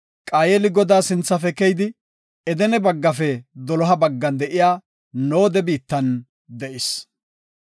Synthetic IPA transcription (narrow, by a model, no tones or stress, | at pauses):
kʼaːjɛlɪɡɔd̪aːsɪnt͡sːɐfɛkɛjd̪ɪ | ɛd̪ɛnɛbɐɡːɐfɛd̪ɔlɔɦɐbɐɡːɐnd̪ɛʔɪjaː | no̞ːd̪ɛbiːt̪ːɐn | d̪ɛʔɪs